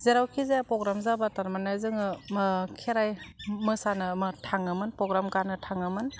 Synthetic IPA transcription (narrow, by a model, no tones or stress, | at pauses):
zeɾawkʰizepɾɔɡɾamzabataɾmanajzɯŋɯkʰeɾajmɯsanɯmɯtʰaŋɯmɯnpɾɔɡɾamkanɯtʰaŋɯmɯn